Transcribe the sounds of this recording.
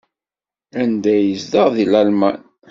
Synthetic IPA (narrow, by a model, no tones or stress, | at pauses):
ænd̪æjəzd̪əʁðilælmæ̰n